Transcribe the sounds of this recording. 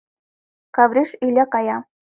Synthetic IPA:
kɑvɾʲiʃylʲekɑjɑ

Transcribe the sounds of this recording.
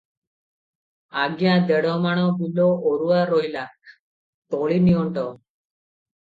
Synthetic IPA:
aɡjãːd̪eɽɔmaɽ̃ɔ̃ːbulooɾuʋaːɾoilak | t̪oɭiniɔɳʈɔ

